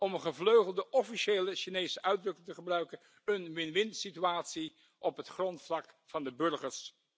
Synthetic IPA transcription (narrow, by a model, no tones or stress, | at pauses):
ɔmənχəvløɥχəlˠdəʔɔfiʃeːləʃinejsəʔœɥdrɵkɪŋtəχəbrœɥkən | ənʋɪnʋɪnsityaːtsi | ʔɔpɦətχrɔntflɑkfɑndəbɵɹχəɹs